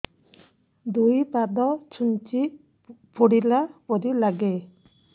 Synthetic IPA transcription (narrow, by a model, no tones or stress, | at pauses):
d̪ujpad̪ɔt͡ʃʰunt͡ʃi | pʰoɽilapod̪ilaɡe